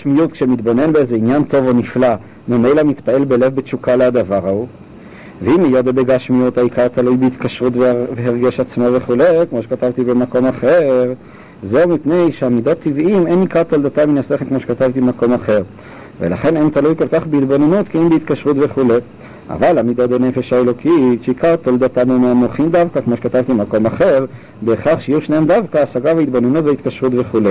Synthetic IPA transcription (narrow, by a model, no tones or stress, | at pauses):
ʃmijut̪̚kʃemit̪bo̞ne̞nbeezeinjant̪o̞vo̞nifla | mome̞jlamit̪pae̞lbe̞le̞vbet͡ʃukalead̪avaʁau | veimejod̪ebeɡaʃmijut̪haikaʁt̪alujbeit̪kaʃʁutveveɦeʁɡeʃat͡smove̞χulejkmo̞ʃekat̪avt̪ibemako̞maχeʁ | ze̞umipne̞jʃeamid̪o̞t̪ːivʔimejnikaʁt̪ald̪at̪aminaseχelkmo̞ʃekat̪avt̪ibemako̞maχe̞ʁ | velaχe̞nent̪alujko̞lkaχbeit̪bo̞nenut̪kiimbeit̪kaʃʁut̪ve̞χulej | ʔa̰valamid̪o̞t̪dene̞fe̞ʃaelo̞kʰiʃeikaʁt̪old̪at̪amumeamoχimd̪avkakmoʃekat̪avt̪iemako̞maχe̞ʁ | beːχaχʃejijuʃnehemd̪avkaːsaɡavait̪bo̞nenut̪veit̪kaʃʁut̪ve̞χule